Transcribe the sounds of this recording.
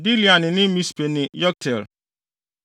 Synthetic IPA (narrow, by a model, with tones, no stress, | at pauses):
di˦li˨a˨nɪ̃˨nɪ̃˦mĩ˦spʰe˨nɪ̃˨jɔ˦k̚tʰɛ˨l